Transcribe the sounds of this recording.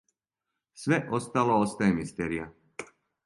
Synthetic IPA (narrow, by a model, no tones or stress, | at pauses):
sʋɛʔɔst̪alɔɔst̪ɛːmist̪ɛːɾia